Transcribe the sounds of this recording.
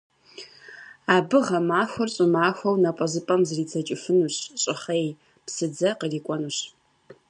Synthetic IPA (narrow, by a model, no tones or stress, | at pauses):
aːbɨʁɐmaːxʷʊrɕʼɪmaːxʷɐwnɐpʷʼɔzɨpʼɐmzɨriːt͡sʰɐt͡ʃʼɪfɨnuːɕɕʼɪχej | psɨd͡zɐqəriːkʷʼɔnuɕ